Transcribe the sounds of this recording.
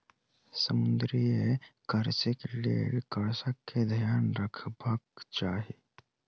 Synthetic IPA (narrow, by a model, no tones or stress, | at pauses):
səmʊnd̪ɾijekəɾsekelḛkəɽsəkkːed̪ʱəjaːnɾəkʰbəkt͡ʃaːɦi